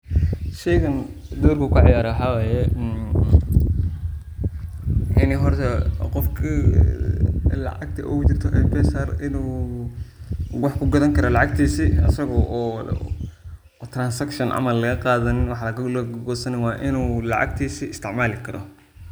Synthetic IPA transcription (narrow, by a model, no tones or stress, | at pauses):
ʃɛjɣɐnd̪uːrkʰɐkʰʊʕ̰jaːɾɐwħɑwaːjɛ | ʔɪnɛjɦɔrt̪ʰɛqɔfkʰi | lɐ̰ʕɑɡ̚t̪ʰɐʔɛ̰kʊt͡ʃɪrt̪ʰɔʔɛfɛsɐrɪnuː | wɑħkʰʊɡɐðɐŋkʰɐɾɐlɑʕɑɡ̚t̪ʰiːsiɐsɐɣɔʔː | t̪ransɐkʃɐnʔa̰mɐlːɐɣɐqɑːðɐnɪnwɑħɑlɐɣɐlɡɔːsɐnɛwɑːʔɪnuːlɑ̰ʕɑ̰ɡ̚t̪ʰiːsiɪst̪ʰɪʕmaːlɪkʰɐɾʔɔ̰